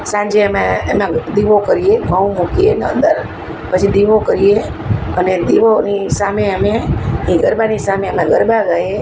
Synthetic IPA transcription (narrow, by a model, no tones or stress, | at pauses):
sãɲd͡ʒeəmẽmãd̪iʋokəɾijeɡʱəũmokienə̰̃nd̪əɾ | pət͡ʃʰid̪iʋokəɾije | əned̪iʋonisaːmeəmeɦĩɡʱəɾbanisamẽəmẽɡəɾbaɡəe